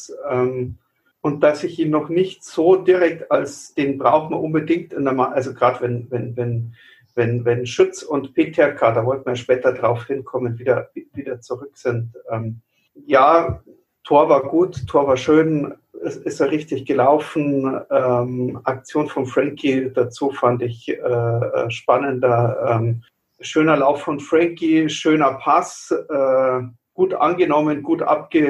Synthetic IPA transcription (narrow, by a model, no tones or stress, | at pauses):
ʔɛm | ʔʊnt̚d̥asɪçʔiːnnɔχnɪçtz̥oːdɪʁɛk̚talsd̥eːnbʁaʊxtmaʔʊnbədɪŋk̚tɪndəɐmaʔalzoɡ̥ʁaːdvɛnvɛnvɛn | vɛnvɛnʃʏt͡sʊntpʰeːtʰɛɐkʰadaːvɔltn̩mɐjaʃpɛːtɐdʁaʊfhɪnkʰɔmənviːdɐviviːdɐt͡suʁ̞ʏkz̥ɪntʔɛːm | jaː | tʰoːɐvaːɐɡuːttʰːoːɐvaːɐʃøːnɛsɪstəʁɪçtɪçɡ̥əlaʊfn̩ɛmʔak̚t͡sjoːnfɔnfʁ̥ɛŋkʰid̥at͡suːfandɪçɛːɛ̰ʃpanəndɐʔɛːm | ʃøːnɐlaʊfːɔnfʁ̥ɛŋkiʃøːnɐpʰasʔɛː | ɡ̥uːtʔa̰nɡənɔmənɡuːtʔa̰p̚ɡ̥ə